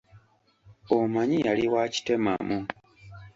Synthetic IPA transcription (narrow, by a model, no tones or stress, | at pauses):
omaɲijaliwaːci̥te̞ma̰mu